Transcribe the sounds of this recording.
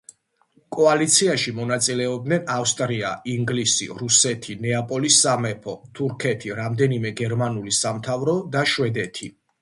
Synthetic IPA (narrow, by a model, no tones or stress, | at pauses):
kʼɔalit̪sʰiaʃimɔnat̪sʼilɛɔb̚d̪nɛnafst̪ʼɾia̰iŋɡlisḭɾusɛt̪ʰinɛapʼɔlisːamɛpʰɔt̪ʰuɾkʰɛt̪ʰiɾamd̪ɛnimɛɡɛɾmanulisamt̪ʰavɾɔd̪aʃwɛd̪ɛt̪ʰi